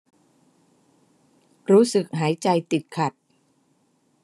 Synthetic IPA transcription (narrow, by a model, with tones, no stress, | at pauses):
ɾuː˦˥sɯ˨˩k̚ɦaː˩˦jt͡ɕa˧jt̪i˨˩t̪̚kʰa˨˩t̪̚